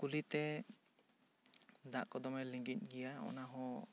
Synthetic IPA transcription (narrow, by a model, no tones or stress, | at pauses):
kulit̪ɛ | d̪aʔkɔd̪ɔmɛliŋɡit̪̚ˀɡɛjaɔ̰naɦɔ̃